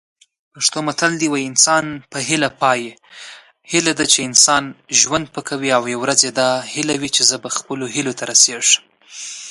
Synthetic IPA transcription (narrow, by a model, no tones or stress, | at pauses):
paʂt̪omat̪ald̪iwajɪnsɑnpəɦɪlapɑje | hɪlad̪at͡ʃeɪnsɑnʒwand̪̚pəkʰawiawjawɾazed̪ɑhɪlawit͡ʃezəbaxpəloɦɪlot̪ʰaɾaseʐə̥m